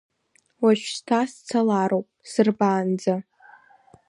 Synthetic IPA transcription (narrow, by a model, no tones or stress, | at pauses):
waʃᶣstʰast͡sʰalaɾowpʼsɨrbaːnd͡za